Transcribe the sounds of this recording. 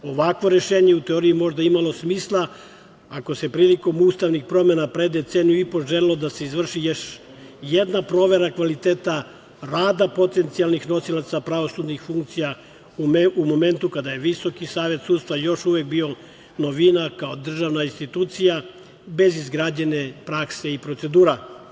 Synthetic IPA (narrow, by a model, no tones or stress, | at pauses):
o̞ʋakʋo̞ɾe̞ʃeːɲeut̪eo̞ɾijimo̞ʒd̪aimalo̞smiːslˠa | ako̞se̞pɾiːliko̞muːst̪aʋnixpɾo̞me̞napɾe̞d̪et̪senijuipoʒelilo̞d̪ase̞izʋr̩ʃijoʃ | jed̪napɾo̞ːʋe̞ɾakʋalit̪eːt̪a | ɾaːd̪apo̞t̪e̞nt̪sijalnixno̞silˠat̪sapɾaʋo̞sud̪nixfuŋk̚t̪sija | umo̞me̞nt̪ukad̪ajeʋiso̞kisaːʋe̞t̪suːd̪st̪ʋajo̞ʃuʋek̚bio̞ | no̞ʋinakaod̪r̩ʒaʋnainst̪it̪uːt̪sija | be̞zizɡɾaːd͡ʑene̞pɾakse̞ipɾo̞t̪se̞d̪uːɾa